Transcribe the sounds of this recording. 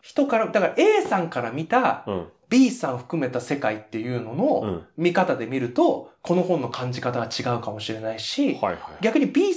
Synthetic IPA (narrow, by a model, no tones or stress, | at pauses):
çi̥t̪o̞kaɾad̪akaɾaʔe̞ːsãŋkaɾamʲit̪ab̥ʲiːsãɰ̃oɸɯ̟̥kɯ̟me̞t̪ase̞kait̪ːe̞jɯ̟ːno̞no̞mʲikat̪ad̪e̞mʲiɾɯ̟t̪o̞kʰo̞no̞hõ̞nːo̞kʰãɲ̟d͡ʑikat̪aɡat͡ɕiɡaɯ̟kamo̞ɕiɾe̞naiɕihɡʲakɯ̟ɲ̟ibʲiː